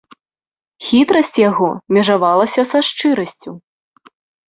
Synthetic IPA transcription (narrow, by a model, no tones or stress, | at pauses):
xʲit̪ɾɐsʲt͡sʲjaɣɔmʲɛʐavalˠɐsʲɐsaʂt͡ʂɨɾɐsʲt͡sʲu